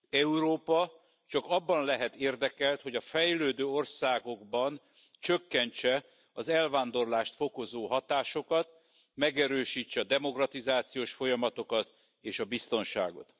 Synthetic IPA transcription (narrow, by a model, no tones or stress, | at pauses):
ɛuɾoːpɒ | t͡ʃɒkɒbːɒnlɛɦɛt̪eːrd̪ɛkɛlt̪ho̞ɟɒfɛjløːd̪øːo̞rsaːɡo̞ɡbɒn | t͡ʃøkːɛɲt͡ʃɛ | ɒzɛlvaːnd̪o̞rlaːʃt̪fo̞ko̞zoːɦɒt̪aːʃo̞kɒt̪ | mɛɡɛɾøːʃiːt͡ʃːɛɒd̪ɛmo̞krɒt̪izaːt̪sijoːʃfo̞jɒmɒt̪o̞kɒt̪ | eːʃɒbist̪o̞nʃa̰ːɡo̞̰t̪